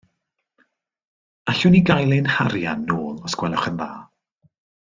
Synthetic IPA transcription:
aɬʊniɡajlˠɨnhaɾja̰nːoːlˠɔsɡ̥wɛlɔχənða̰ː

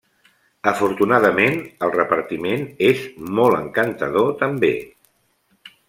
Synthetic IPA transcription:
əfuɾt̪unaðəmenəlˠrəpəɾt̪imenezmɔlˠə̰ŋkənt̪əðot̪əmbḛ

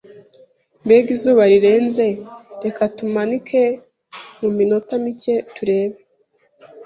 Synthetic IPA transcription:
mbe̞ɡizuːβaɾiɾe̞ːnze̞ɾe̞katumanikʰe̞ | mumino̞tamicetuɾe̞ːβe

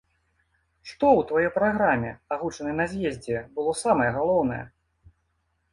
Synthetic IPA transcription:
ʂt̪ɔwt̪vajɔjpɾaɣɾamʲɛaɣut͡ʂɐnɐjnɐzʲjɛzʲd͡zʲɛbɨlˠɔsamɐjɛɣalˠɔwnɐjɛ̰

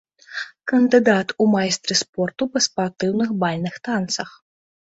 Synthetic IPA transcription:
kɐnd̪ɨd̪at̪umajst̪ɾɨspɔrt̪upɐspart̪ɨwnɨxbalʲnɨxt̪ant̪sɐx

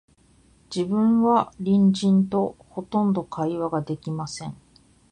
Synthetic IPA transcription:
d͡ʑibɯ̟̃ɰ̃βaɾʲĩɲd͡ʑĩnt̪o̞ho̞t̪õ̞nd̪o̞kʰaiβaɡad̪e̞kʲimasẽ̞̰ɴ

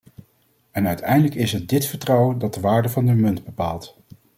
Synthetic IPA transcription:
ɛnœɥtɛjndələkɪsət̚dɪtfəɹtrɔwəndɑt̚dəʋaːɹdəvɑndəmɵndbəpaːlˠt

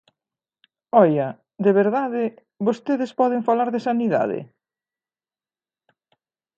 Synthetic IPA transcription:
ɔjɐ | d̪eβeɾðaðɪ | βost̪eðɪspɔðɪŋfalaɾðɪsaniða̰ðɪ̰

